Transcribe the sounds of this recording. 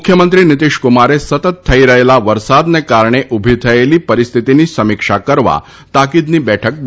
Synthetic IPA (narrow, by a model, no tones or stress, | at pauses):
mukʰjəmənt̪ɾiːnit̪iʂkumaɾesət̪ət̪ʰːəiɾəɦelaʋəɾsad̪nekaɾɳ̃eʔubʱit̪ʰəjeliːpəɾist̪ʰit̪iniːsəmikʂakəɾʋa̰ | t̪akid̪niːbɛʈʰək̚b